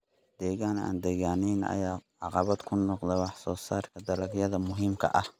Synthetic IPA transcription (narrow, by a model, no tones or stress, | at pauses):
d̪̥ɛːɣaːna̰ːnd̪ɛːɣaːnijnɐ̰jaːʕɑqɑβɐd̪kʰʊnɔqd̪ɛwɑħsɔːsaːrkʰɐd̪ɐlɐɡjɐðɐmʊɦimkʰɐ̰ʔɐh